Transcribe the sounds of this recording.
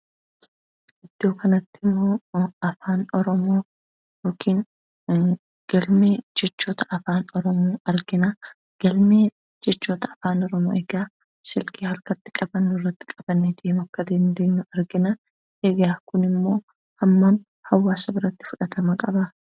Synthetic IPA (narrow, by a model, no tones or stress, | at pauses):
ʔɪd̪̥ːo̞ːkɐnɐt̪ːɪmːo̞ːɐfaːnɔɾɔmo̞ː | jo̞ːkʰiːn | ɡ̥ɐlmeːd͡ʒɛt͡ʃːoːt̪ɐʔɐfaːnɔɾɔmoːɐɾɡɪnɐ | ɡ̥ɐlme | d͡ʒɛt͡ʃːoːt̪ɐːfaːnɔɾɔmo̰ːʔɛɡaː | sɪlkiːhɐɾkɐt̪ːɪ̥kʼɐbɐnːʊrːɐt̪ːɪ̥kʼɐbɐnːed̪eːmʊɐkːɐd̪ɐnd̪eːɲːʊɐɾɡɪnɐ | ʔeɡaːkʊnɪmːo̞ː | hɐmːam | hɐwːaːsɐbɪɾɐt̪ːɪ̥fʊᶑɐt̪ɐmɐkʼɐbɐ